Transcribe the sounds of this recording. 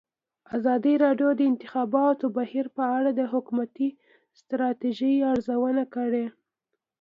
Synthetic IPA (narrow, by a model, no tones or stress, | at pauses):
azɑd̪iɾɑɖjod̪əɪnt̪ɪxɑbɑt̪obahiɾpəaɽad̪əɦʊkumat̪i | st̪ɾɑt̪eʒəjaɾzawənakəɽe